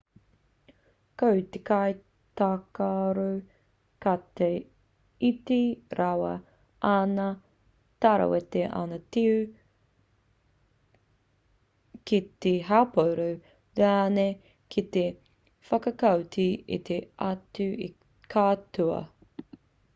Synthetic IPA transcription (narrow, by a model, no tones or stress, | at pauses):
kowt̪ekaj | t̪akaɾo | kate | itiɾʔawɐ̰ | ʔanɐ | t̪aɾɐ̰wet̪eʔa̰nɐtiʉ | kit̪eɦaːpowɾow | leane | kʰit̪e | fɐkɐkɐwtʰiḭt̪ʰeɐtʉi | kʰaːtuɐ̰